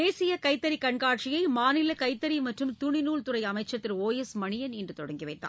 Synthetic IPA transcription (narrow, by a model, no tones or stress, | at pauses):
eːsɪjɐkɐɪt̪ːɐɾikɐɳkaːʈ̚t͡ʃɪjɐɪmaːnɪlɐkɐɪt̪ːɐɾimɐʈrɯmt̪ʊɳɪnuːɭt̪ʊɾɐɪɐmɐɪt͡ʃːɐt̪ːɪɾoːjɛsmɐɳɪjɐnindrɯt̪ɔɽɐŋɡiʋɐɪt̪ːa̰ː